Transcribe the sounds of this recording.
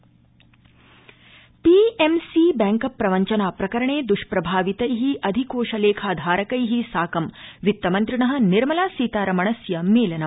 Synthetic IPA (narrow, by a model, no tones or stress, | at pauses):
piːemsibæːŋkɐpːɾɐʋɐɲt͡ʃɐnaːpɾɐkɐɾɐɳeːd̪uʃpɾɐbʱaːʋit̪ɐjɦiʔɐd̪ʱikoːʃɐleːkʰaːd̪ʱaːɾɐkɐjɦisaːkɐmʋit̪ːɐmɐnt̪ɾiɳɐɦɐ̆niɾmɐlaːsiːt̪aːɾɐmɐɳɐsjɐmeːlɐnɐ